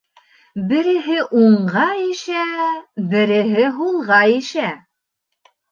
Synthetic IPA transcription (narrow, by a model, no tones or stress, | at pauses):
bɘ̆ɾɘ̆ɦɘʔuɴʁɑjɘ̆ʃæbɘ̆ɾɘ̆ɦɘɦulˠʁɑjɘ̆ʃæ